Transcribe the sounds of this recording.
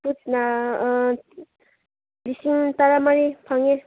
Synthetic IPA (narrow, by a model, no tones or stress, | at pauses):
put͡sna | lisiŋt̪aɾamaɾipʰaŋe